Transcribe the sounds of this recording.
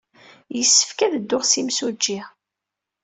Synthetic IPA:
jəsːə̥fkæðəd̪ːʊʁsimsud͡ʒːiʁ

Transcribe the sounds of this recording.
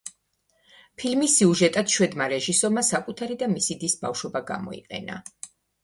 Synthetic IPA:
pʰilmisːiuʒɛt̪ʼad̪̥ʃwɛd̪maɾɛʒisɔɾmasakʼut̪ʰaɾid̪amisid̪isba̰fʃwɔbaɡa̰mɔ̰ḭqʼɛ̰na̰

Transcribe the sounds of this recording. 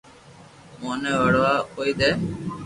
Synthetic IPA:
moːnɛːʋəɽʋaːkoːiːd̪eː

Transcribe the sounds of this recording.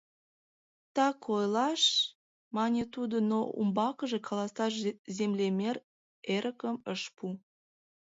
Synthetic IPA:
t̪ɑkojlɑʃ | mɑnʲet̪ud̪onoṵmbɑkəʒekʰɑlɑst̪ɑʃzemlemʲer | eɾʔəkəməʃpu

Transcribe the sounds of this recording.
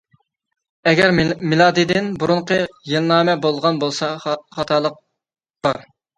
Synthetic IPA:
ɛɡʲæɾmɪlˠɑːd̪ɨd̪ɪnbuɾʊɴqʰəjelˠnɑːmɛbolˠʁɑnbolˠsɑχɑt̪ʰɑːlˠəq̚ | b̥ɑɾ

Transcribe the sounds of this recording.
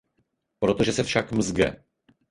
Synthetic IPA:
pɾot̪oʒɛsɛfʃakmzɡɛ̰

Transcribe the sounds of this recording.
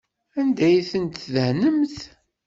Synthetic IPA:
ænd̪æjθənt̪ðəhnəmθ

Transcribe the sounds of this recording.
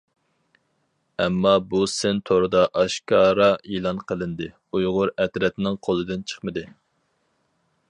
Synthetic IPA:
ɛmːɑbusɪnt̪ʰoɾɨd̪ɑʔɑʃkɑːɾɑʔilˠɑnqʰəlˠɨnd̪ɨ | ujʁʊɾɛt̪ɾɛt̪nɪŋqʰolˠɨd̪ɪnt͡ʃʰə̥χmɨd̪ɨ

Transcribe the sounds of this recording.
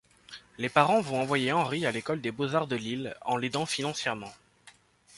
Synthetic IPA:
lepaʁɑ̃vɔ̃ɑ̃vwajeɑ̃ʁialekɔld̪ebozaʁd̪əlilɑ̰̃led̪ɑ̃finɑ̃sjɛʁmɑ̃

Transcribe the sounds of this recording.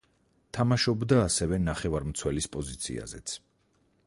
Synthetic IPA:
t̪ʰamaʃɔbd̪aːsɛvɛnaχɛvaɾmt̪sʰwɛlispʼɔzit̪sʰḭa̰zɛ̰t̪sʰ

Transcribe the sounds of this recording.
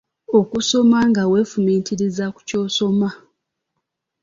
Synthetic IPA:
o̞kuso̞maŋɡawe̞ːfumiːntiɾizaku̥co̞ːso̞ma

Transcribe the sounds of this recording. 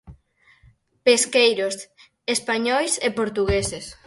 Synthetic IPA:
peskejɾos | espaɲɔjsepoɾt̪uɣeses

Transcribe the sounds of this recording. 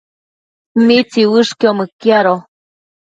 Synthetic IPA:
mit͡siwɨʂkiomɨkjaɾo

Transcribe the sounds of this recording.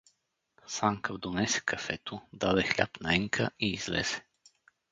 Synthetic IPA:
saŋkəvd̪onɛsɛ̥kʰɐfɛt̪ʊd̪ad̪ɛxlʲa̰pnaɛŋkʰəiːzlɛ̰z̥ɛ̥

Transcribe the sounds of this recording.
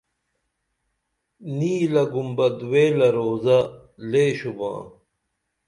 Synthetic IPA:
niːlɐɡumbɐd̪weːlɐɾoːzɐ | leːɕubã̰ː

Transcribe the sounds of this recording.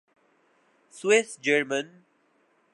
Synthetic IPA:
swɪsd͡ʒəɾmə̃n

